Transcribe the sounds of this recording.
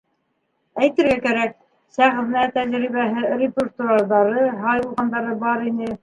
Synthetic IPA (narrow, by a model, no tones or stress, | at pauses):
æjt̪ɘ̆ɾɡækæɾæk̚ | sæʁðnæt̪æʒɾiβæɦɘrʲɪpʲert̪uaɾðɑɾɤɦɑjulˠʁɑnd̪ɑɾɤbɑɾinɘ